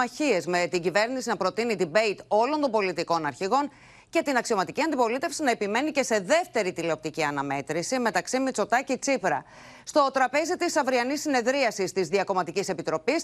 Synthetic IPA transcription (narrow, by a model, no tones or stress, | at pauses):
ɐçie̞zme̞t̪iɟive̞ɾnisinɐpɾo̞t̪init̪ibe̞jt̪o̞lo̞nt̪o̞mbo̞lit̪iko̞nɐɾçiɣo̞n | ce̞t̪inɐksio̞mɐt̪iciɐnd̪ipo̞lit̪e̞fsinɐe̞pime̞nice̞se̞ðe̞ft̪e̞ɾit̪ile̞op̚t̪iciɐnɐme̞t̪ɾisime̞t̪ɐksimit͡so̞t̪ɐcit͡sipɾɐ̰ | st̪o̞t̪ɾɐpe̞zit̪isɐvɾiɐnisːine̞ðɾiɐsist̪izðiɐko̞mɐt̪icise̞pit̪ɾo̞pis